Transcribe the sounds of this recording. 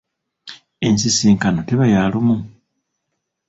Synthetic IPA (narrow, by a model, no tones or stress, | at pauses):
ensisiːŋkano̞teβajalumu